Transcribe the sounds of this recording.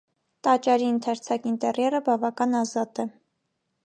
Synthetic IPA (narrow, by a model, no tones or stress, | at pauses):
t̪ɑt͡ʃɑɾiənt̪ʰɑɾt͡sʰɑkint̪ɛrjɛɾəbɑvɑkɑnɑzɑt̪ɛ